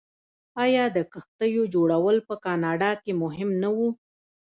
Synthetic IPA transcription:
ɑjɑd̪əkəxt̪əjod͡ʒoɽawəlpəkɑnɑɖɑkemʊɦɪmnawu

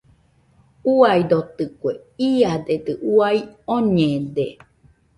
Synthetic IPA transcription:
uaid̪ot̪ɨkʷe | iad̪et̪ɨʔuaioɲed̪e

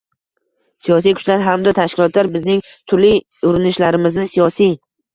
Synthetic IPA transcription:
sijɒs̬ijkʰʊ̥t͡ʃlaɾɦamd̪at̪ʰaʃkʲɪlˠɒt̪ʰlaɾbɪznɪŋ | t̪ʰʊɾli | ʊɾɪnɪʃlaɾɪmɪznɪsijɒsij

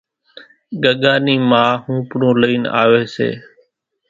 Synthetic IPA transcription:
ɠəɠaːniːmãːhũːpɳõːləiːna̰ːʋeːsḛː

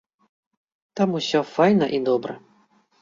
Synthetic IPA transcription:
t̪amusʲɔfajnɐʔid̪ɔbɾɐ

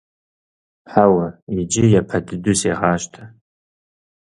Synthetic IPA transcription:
ħawaid͡ʒɪjapʰaddʊseʁaʃtʰa

